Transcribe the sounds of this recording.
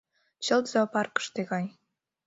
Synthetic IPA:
t͡ɕɤ̆lt̪z̥opɑrkə̥̆ʃt̪eɣɑj

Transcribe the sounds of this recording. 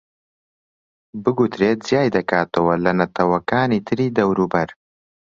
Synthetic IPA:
bɨɡut̪ɾeːt̪̚zjaːjd̪ɐkaːt̪ʰɐwɐlɐnɐt̪ʰɐwɐkaːniːt̪ʰɨɾiːd̪ɐwɾuːbɐɾ

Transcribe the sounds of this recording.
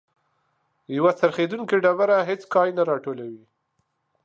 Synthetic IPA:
jawat͡saɾxed̪unkeɖaβaɾaɦet͡skɑjnaɾɑʈolawi

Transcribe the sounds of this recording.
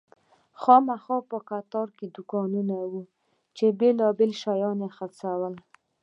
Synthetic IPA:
xɑmaxɑpəkat̪ɑɾked̪ʊkɑnunawu | t͡ʃebelɑbelʃajɑnexaɾsawəl

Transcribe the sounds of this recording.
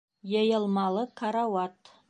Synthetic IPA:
jɑjɑlˠmɑlˠəkʰaɾawɑt̪

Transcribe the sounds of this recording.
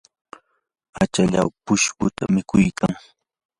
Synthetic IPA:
at͡ʃaʎa̰wpʊʃkʊt̪amɪkʊjkʰaŋ

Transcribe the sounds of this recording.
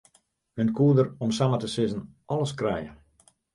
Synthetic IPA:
hønkuədəɾɔmsamətəsɪzənɔləskrɛjə

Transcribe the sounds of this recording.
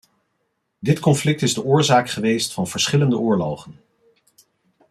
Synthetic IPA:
dɪtkɔnflɪk̚tɪzdəʔʊːɹzaːkχəʋejstfɑnv̥əɹsχɪləndəʔʊːɹlowχən

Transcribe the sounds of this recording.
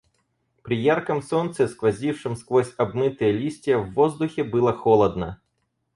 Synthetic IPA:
pɾʲɪjarkɐmsɔnt̪sɛskʋɐzʲiwʂɪmsklˠɔsʲɐbmɪt̪ɪjɛlʲisʲtʲijɐwːɔzd̪ʊxʲibɪlˠɐxɔlˠɐd̪̚nɐ

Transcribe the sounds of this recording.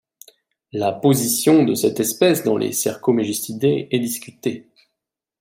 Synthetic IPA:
lapozisjɔ̃d̪əsɛt̪ɛspɛsd̪ɑ̃lʔḛsɛʁkomeʒist̪id̪eɛd̪iskʲyt̪e

